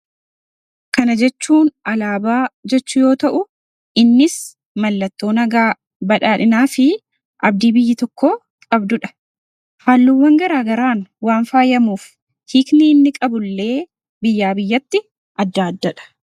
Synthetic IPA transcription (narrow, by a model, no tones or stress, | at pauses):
kɐnɐd͡ʒɛt͡ʃːuːnɐlaːbaːd͡ʒɛt͡ʃːʊjo̞ːt̪ɐʔʊ | ɪnːɪs | mɐlːɐt̪ːo̞ːnɐɡaː | bɐᶑaːᶑɪnaːfɪ | ʔɐb̚d̪iːbɪjːɪt̪ɔkːoː | kʼɐbd̪ʊᶑɐ̥ | haːlːuwːɐŋɡɐɾaːɡɐɾaːnwaːnfaːjɐmuːf | hiːkniːnːɪkʼɐbʊlːe̞ː | bɪjːaːbɪjːɐt̪ːɪ | ʔɐd̪ːaːd̪ːɐᶑɐ̥